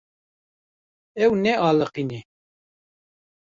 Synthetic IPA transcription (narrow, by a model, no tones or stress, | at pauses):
ɛwnɛʔɑːləqinɛ